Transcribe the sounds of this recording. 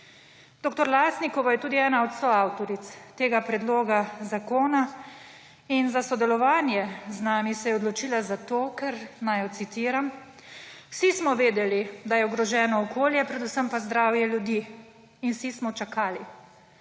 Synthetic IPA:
d̪̥oːkt̪ɔɾlasnikɔʋajɛt̪uːd̪iɛːnaɔt̪sɔawt̪ɔɾit̪st̪eːɡapɾɛd̪loːɡazakoːna | inzasɔd̪ɛlɔʋaːnjɛznaːmisɛjɛɔd̪lɔt͡ʃiːlazat̪oːkɛɾnajɔt̪sit̪iːɾam | w̥sismɔʋeːd̪ɛlid̪ajɛɔɡɾɔʒɛːnɔːkʰoːljɛpɾɛd̪usəmpazd̪ɾaːwjɛljud̪iː | nwsismɔt͡ʃakaːli

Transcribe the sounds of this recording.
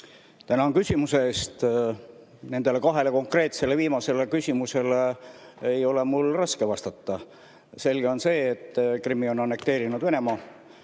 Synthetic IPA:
t̪ænɑnkysʲimuseeːst̪ | ne̞nd̪̥e̞le̞kɑɦe̞le̞ko̞ŋkre̞ːt̪se̞le̞viːmɑse̞le̞kysʲimuse̞leejo̞lemulrɑske̞vɑst̪ɑt̪ːɑ | se̞lɡ̥e̞o̞nse̞ːt̪ːˑkrimːio̞nɑnːe̞k̚t̪e̞ːɾinud̪ve̞ne̞mɑː

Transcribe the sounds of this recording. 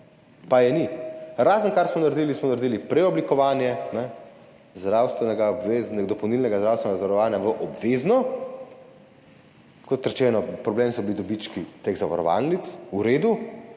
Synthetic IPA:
pajɛniɾaːzənkaɾsmɔnaɾd̪iːlismɔnaɾed̪iːlipɾɛɔblikɔʋaːnjɛnɛ | zd̪ɾawst̪ʋɛnɛɡaɔbʋeznɛd̪ɔpɐwnilnɛɡazd̪ɾawst̪ʋɛnɛɡazaʋaɾɔʋaːnjaʋəʔɔbʋeːznɔ | kɔt̪ɾɛt͡ʃɛːnɔpɾɔbleːmsɔbilid̪ɔbit͡ʃkit̪eɣzaʋa̰ɾɔ̰ʋa̰lnit̪suɾeːd̪u

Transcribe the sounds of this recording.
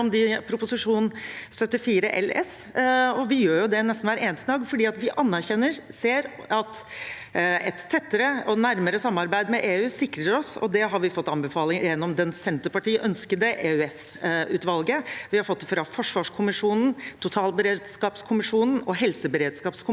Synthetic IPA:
ɔmd̪ɪpʰɾʊpʊsɪʂuːnsœt̪ːɪfiːɾəʔɛ̰lɛ̰s | ɔʋɪjøːɾjʊd̪ɛnɛst̪n̩ʋæːɾeːnst̪nɑːɡfɔɖiːɑt̪ʋɪʔɑnːæɾçɛnːəɾseːɾɑt̪ | ɛt̪ʰːɛt̪ːəɾəɔnæɾməɾəsɑmːɑɾbæɪd̪mɛʔeːʉːsɪkɾəɾɔsɔ̰d̪ɛɦɑɾʋɪfɔt̪ːɑnbəfɑːlɪŋjɛnːɔmd̪ɛnsɛnt̪əpɑʈiːəʔœnskəd̪əʔeːʉɛs | ʉːt̪ʋɑlɡəʋɪhɑɾfɔt̪ːfɾɑfɔʂʋɑːʂkʰʊmɪʂuːnn̩t̪ʰʊt̪ʰɑːlbəɾeːd̪skɑːpskʰʊmɪʂuːnn̩ɔɦɛlsəbəɾeːd̪skɑːpskʰʊ

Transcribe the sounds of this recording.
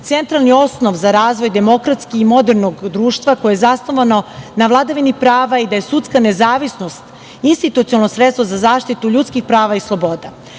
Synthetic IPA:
t̪sent̪ɾalˠnio̞sno̞ʋzaɾaːzʋo̞jd̪e̞mo̞kɾat̪skiimo̞d̪eɾnoɡd̪ɾuːʃt̪ʋako̞jeezasno̞ʋano̞naʋlˠad̪aʋinipɾaːʋaid̪ajesut̪skane̞zaːʋisno̞st̪ | inst̪it̪ut̪siolnosɾet̪st̪vozazaːʃt̪it̪uʎuːt̪skixpɾaːʋaislˠo̞bo̞d̪a

